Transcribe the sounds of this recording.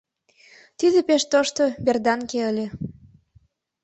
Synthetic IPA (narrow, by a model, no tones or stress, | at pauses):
t̪id̪epeʃt̪oʃt̪oberd̪ɑnkeəlʲe